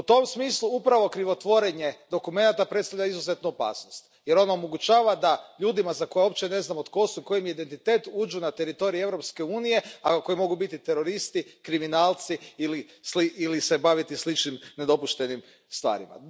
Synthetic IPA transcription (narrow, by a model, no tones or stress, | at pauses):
ut̪o̞msmiːslˠuupɾaʋo̞kɾiʋo̞t̪ʋo̞ɾeɲe̞d̪o̞kume̞nat̪apɾet̪st̪avʎʲaizuze̞t̪nuopa̰ːsnost̪je̞ɾo̞naomo̞ɡut͡ʃaːʋad̪aʎuːd̪imazako̞jeo̞pt͡ɕe̞ne̞znamot̪ko̞suiko̞jimid̪e̞nt̪it̪e̞ːt̪uːd͡ʒunat̪e̞ɾit̪o̞ɾievɾo̞pske̞uːnije̞ako̞jimo̞ɡubit̪it̪e̞ɾo̞ɾist̪ikɾiminaːlt̪siili | sliilisebaʋit̪islit͡ʃnimned̪o̞puʃt̪e̞nim | st̪ʋa̰ːɾḭma̰